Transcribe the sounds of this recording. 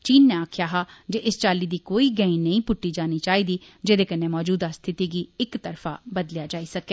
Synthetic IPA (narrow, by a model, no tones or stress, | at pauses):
t͡ʃiːnːẽːaːkʰjaːɦaːd͡ʒeːʔɪst͡ʃaːliːd̪iːkoːiːɡɛ̃ĩːnəĩːpʊʈːiːd͡ʒaːniːt͡ʃaːiːd̪iː | d͡ʒeːd̪eːkənːeːmɔːd͡ʒuːd̪aːst̪ʰɪt̪iːɡiːɪkt̪əɾfʰa̰ːbəd̪ljaːd͡ʒaːiːsəkeː